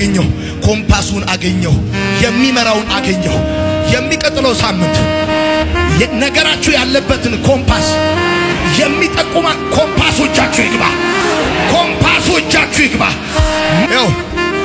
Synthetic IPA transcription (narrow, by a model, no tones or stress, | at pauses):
əɲːəw | kʰo̞mpʰasunaɡəɲːəw | jɛmːiməɾawnaɡəɲːawjɛmːikʼət̪ʼːləwsamːɨnt̪ | nəɡəɾat͡ʃːɛwjalːəbːət̪ʰɨnkʰo̞mpʰas | jɛmːit̪ʼəkʼːumakʰo̞mpaswot͡ʃːat͡ʃːujiɡβa̰ | kʰo̞mpʰaswot͡ʃːat͡ʃːujɪɡβa̰ | maw